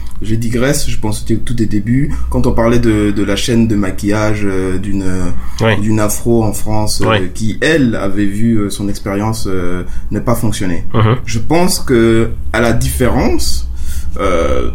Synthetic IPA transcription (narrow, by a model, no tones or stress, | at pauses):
ʒed̪iɡʁɛsʒəpɑ̃st̪it̪ud̪ed̪ebykɑ̃t̪ɔ̃paʁlɛd̪əd̪əlaʃɛnd̪əmakʲijaʒød̪ynød̪ynafχoɑ̃fχɑ̃sikʲiʔɛla̰vɛvyøsɔ̃nɛkspeʁjɑ̃sønəpafɔ̃ksjɔnḛʒ̥əpɑ̃skəalad̪ifeʁɑ̃s | ø̰